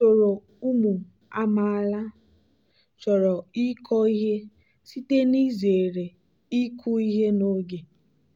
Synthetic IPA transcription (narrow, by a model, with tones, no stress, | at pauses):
t͡ʃo˨ɾo˨ | u˦mu˨ | a˦ma˨la˦ | t͡ʃɔ˨ɾɔ˨i˦kʰɔ˦i˦ɦe˦ | si˦te˦ni˦ze˨ɾe˨ | i˦kʰu˦i˦ɦe˦no˦ɡe˨